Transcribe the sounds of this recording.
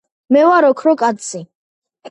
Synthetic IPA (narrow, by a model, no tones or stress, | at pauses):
mɛwaɾɔkʰɾɔkʼat̪sʰi